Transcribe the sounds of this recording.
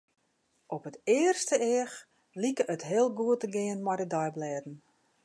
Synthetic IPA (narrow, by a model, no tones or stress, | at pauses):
ʔɔpətɪərstəɪəx | likəʔətɦɪəlˠɡuətəɡɪənmɛjdədɔjblɛːdn̩